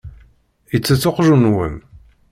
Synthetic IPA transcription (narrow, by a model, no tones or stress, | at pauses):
jət͡sːæt͡sːʊqʒunwə̰m